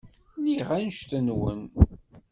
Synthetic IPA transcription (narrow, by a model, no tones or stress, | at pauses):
niʁænʃθənwə̰n